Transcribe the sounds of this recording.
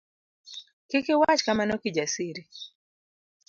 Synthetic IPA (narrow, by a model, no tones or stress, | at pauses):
kikɪwat͡ʃkamanokid͡ʒasiɾi